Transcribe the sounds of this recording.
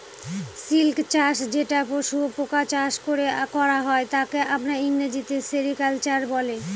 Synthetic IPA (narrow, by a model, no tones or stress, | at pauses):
silkt͡ɕaʃd͡ʑeʈapoʃupokat͡ɕaʃkoɾekɔɾaɦɔet̪akeʔapnaiŋɾad͡ʑit̪eseɾikalt͡ɕaɾbɔle